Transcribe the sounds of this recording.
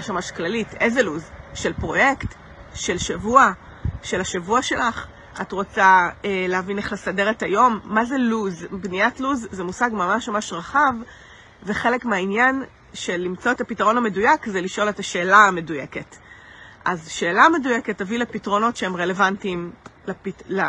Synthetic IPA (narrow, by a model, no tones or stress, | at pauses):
aʃmamaʃklalitʰʔezeluzʃe̞lpʁo̞je̞kt | ʃe̞lʃavua | ʃe̞laʃavuaʃe̞laχ | ʔatʁo̞t͡saeleavine̞χlesade̞ʁetajo̞mːazeluzbniatluzːemusaɡmamaʃmamaʃʁaχav | veχe̞lekmeainjan | ʃe̞limt͡so̞etapitaʁo̞nhame̞dujakzeliʃʔo̞le̞taʃe̞ːlaːmeduje̞ke̞tʔazʃe̞ːlame̞duje̞ketːavilepitʁo̞no̞tʃeemʁe̞levantimlapitla